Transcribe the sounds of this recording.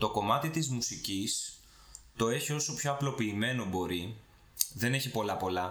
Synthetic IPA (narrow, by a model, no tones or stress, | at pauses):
t̪o̞ko̞mɐt̪it̪izmusicis | t̪o̞e̞çio̞so̞pço̞ɐplo̞piːme̞no̞bo̞ɾi | ðe̞ne̞çipo̞lɐpo̞lɐ